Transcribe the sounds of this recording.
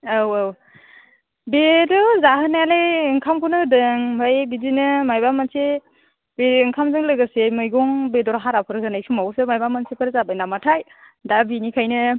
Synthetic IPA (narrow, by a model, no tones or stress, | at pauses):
awaw | bedɔzaɦɯnaaleɯŋkʰamkʰɔnɯdɯŋbajbizinɯmajbamansʰe | beŋkʰamzɯŋlɯɡɯsemɯjɡɔŋbedɔɾɦaɾapʰɯɾɯkʰɯnajsʰumawsɯmajbamansʰepʰɯɾzabajnamatʰaj | dabinikʰajnɯ